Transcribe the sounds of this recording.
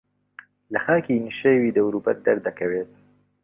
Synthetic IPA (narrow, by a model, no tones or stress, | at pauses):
lɐxaːkiːniʃewiːd̪ɐwɾuːbɐɾd̪ɐɾd̪ɐkʰɐweːt̪